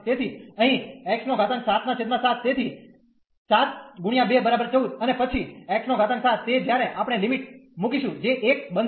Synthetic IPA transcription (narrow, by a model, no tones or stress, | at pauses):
t̪et̪ʰiəɦĩɛksnoɡʱat̪ənsat̪ʰnat͡ʃʰed̪mãsat̪ʰːet̪ʰi | sat̪ɡuɽ̃ijãbebəɾabəɾt͡ʃəɦũt̪ənepət͡ʃʰiɛksnoɡʱat̪ənsat̪ːed͡ʒjaɾeʔapɽ̃elimiʈmukiʃũd͡ʒeʔːk̚bən